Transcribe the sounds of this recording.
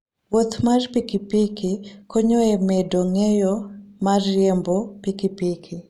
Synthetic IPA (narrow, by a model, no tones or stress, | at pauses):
wot̪marpikipikikoɲoemedoŋejomarjembopikipikʰi